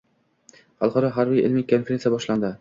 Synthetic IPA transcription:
halˠqɒɾɒɦaɾbijɪ̰lmekʰːonfeɾenʲjabɒʃland̪ɪ

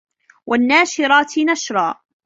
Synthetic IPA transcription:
wʔanːaːʃɪɾˤɑːt̪naʃɾˤɑː

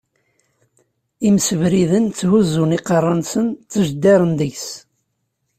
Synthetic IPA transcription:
imsəvɾiðənt͡sːhuzuniqərˤːɑnsənt͡sːəʒd̪ːæɾˤənd̪əçs

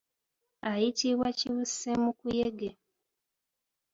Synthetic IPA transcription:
ajitiβwaciβusemukujeɡe

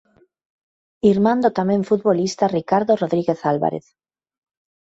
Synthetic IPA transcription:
iɾmãnd̪ot̪amẽɱfut̪βolist̪arikaɾðoroðɾiɣeθalβa̰ɾḛθ

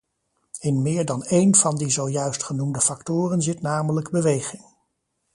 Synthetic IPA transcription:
ɪnmɪːɹdɑnejnvɑndizowjœɥstχənumdəfɑktʊːrənzɪtnaːmələɡbəʋejχɪŋ

